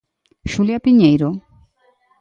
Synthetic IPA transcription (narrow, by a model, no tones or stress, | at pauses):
ʃuliapiɲejɾo